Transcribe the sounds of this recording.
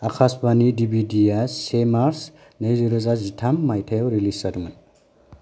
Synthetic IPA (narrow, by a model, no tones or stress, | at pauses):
akʰasbanidibidiasemaɾs | nejziɾɯzazitʰamːajtʰajwɾilisadman